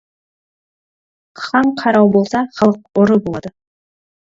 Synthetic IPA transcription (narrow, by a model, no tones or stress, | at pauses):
qʰɑɴqʰɑɾɑwbo̞lˠsɑχɑlˠəq̚ʊɾəbolˠɑ̰d̪ə